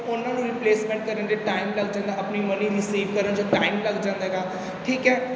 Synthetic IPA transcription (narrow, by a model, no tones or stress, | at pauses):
ʊnãːnũːɾɪpleːsmɛ̃ːɳʈ̚kəɾənd͡ʒeːʈaːɪmləɡd͡ʒãːnd̪aːəpniːməniɾɪsiːʋkəɾənd͡ʒoːʈaːɪmləɡd͡ʒãːnd̪aɦɛɡaː | ʈʰiːkɦɛː